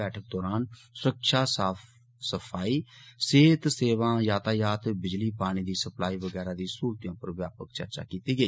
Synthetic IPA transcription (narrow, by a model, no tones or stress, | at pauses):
ɛːʈʰək̚d̪ɔːɾaːnsʊɾəkʃaːsaː | səpʰaːiːseːt̪seːʋãːjaːt̪aːjaːt̪bɪd͡ʒliːpaːɽ̃iːd̪iːsəplaːiːʋəɡɛːɾaːd̪iːsuːɾt̪jãːpəɾəʋjaːpəkt͡ʃə̰ɾt͡ʃa̰ːkiːt̪iːɡəiː